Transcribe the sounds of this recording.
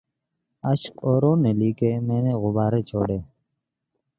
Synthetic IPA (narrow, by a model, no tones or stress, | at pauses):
əʃqoːɾoːneːliːkeːmẽːneːɣʊbaːɾeːt͡ʃʰoːɽeː